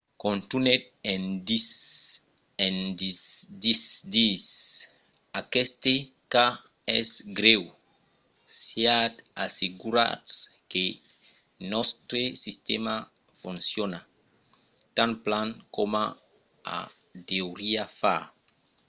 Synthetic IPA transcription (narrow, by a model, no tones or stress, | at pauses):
kõnt̪unet̪̚ | endis | endid̪isd̪is | akɛst̪e | ka | ɛsɡɾew | siat̪aseɡuɾa̰ts | ke | nɔst̪ɾesist̪ɛma | fũnsjona | t̪ãnplankoma | a̰d̪ewɾiafa